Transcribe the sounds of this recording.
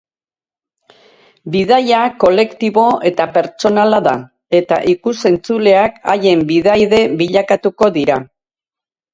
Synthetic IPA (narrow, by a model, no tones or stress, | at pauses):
biðajako̞le̞kt̪iβo̞ʔe̞t̪ape̞ɾt͡ʃo̞nalaða | e̞t̪a̰ʔikuse̞nt͡sule̞aka̰je̞mbiðajðe̞βiʎakat̪uko̞ðiɾa